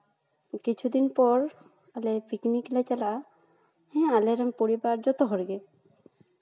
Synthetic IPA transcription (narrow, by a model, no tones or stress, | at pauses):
kit͡ɕʰud̪inpɔɾ | alepikniklat͡ɕala | hɛ̃aleɾampoɾibaɾd͡ʑɔt̪oɦɔɾɡe